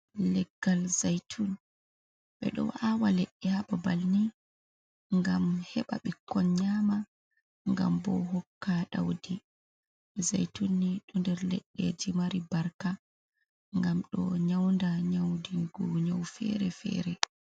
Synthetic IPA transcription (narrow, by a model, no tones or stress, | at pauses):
lɛɡːalzajtʰun | ɓɛ̰ɗɔ̰wawalɛɗːɛhaɓabalni | ŋɡamhɛɓa̰ɓikʰːɔnɲaːma | ŋɡa̰mbɔ̰ɦɔkːaɗa̰wdi | ɓɛzajtunːiɗɔndɛɾlɛɗːɛd͡ʒimaɾibaɾka | ŋɡamɗɔɲawndaɲawdiɡuɲawfɛ̰ɾɛfɛ̰ːɾɛ